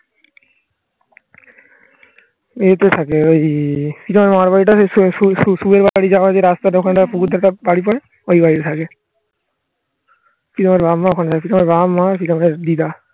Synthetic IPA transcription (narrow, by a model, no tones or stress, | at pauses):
et̪et̪ʰakeojfiʈomeɾmaɾbaɽiʈauuʃubeɾbaɽid͡ʑaad͡ʑeɾast̪aɾokʰanʈapuɡud̪ʱaɾt̪abaɽipɔe | ojbaiet̪ʰake | fiʈomeɾbamːaokʰant̪ʰakefiʈomeɾbamːafiʈomeɾd̪id̪a